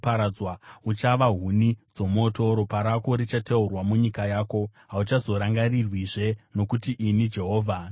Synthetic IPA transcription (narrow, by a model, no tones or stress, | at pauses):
paɾad͡zwaut͡ʃaʋaɦunid͡zo̞mo̞to̞ɾopaɾako̞ɾit͡ʃateurwamuɲikajaːko̞ɦaut͡ʃazo̞ɾaŋɡarirwiʐe̞no̞kutiʔinid͡ʒe̞ɦo̞ːvʱa